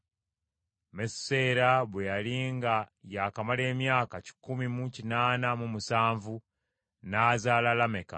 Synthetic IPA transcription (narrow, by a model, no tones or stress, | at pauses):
messe̞ːɾaβwejaliŋɡajakamale̞ːmjaːkaci̥kumimucinaːnamumusaːɱvu | naːzaːlalame̞ka̰